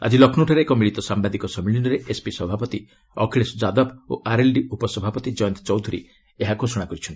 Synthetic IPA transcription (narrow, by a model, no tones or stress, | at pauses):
a̰d͡ʒilɔkʰnuʈʰɔɾeːkɔmiɭit̪ɔsambad̪ikɔsɔmiɭinɔɾeʔespisɔbʱapɔt̪i | ɔkʰiɭesd͡ʒad̪ɔbo̰ʔaɾelɖiupɔsɔbʱapɔt̪id͡ʒɔjɔnt̪ɔ̥t͡ʃɔwd̪ʱuɾḭ | eɦaɡʱosɔɽ̃akɔɾit͡ʃʰɔnt̪i̥